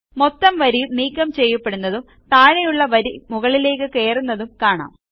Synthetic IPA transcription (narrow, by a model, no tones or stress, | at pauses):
mo̞t̪ːɐmʋɐɾijniːkːɐmt͡ɕe̞jːɐpːe̞ɽunːɐðum | t̪aːɻɐjuɭːɐʋɐɾimuɣɐɭile̞ːkːɨke̞ːrunːɐðumkaːɳa̰ːm